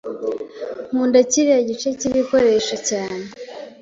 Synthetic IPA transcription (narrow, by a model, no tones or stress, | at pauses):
muːndaciβiaɟit͡ʃe̞ciβiko̞ɾe̞ʃacaːne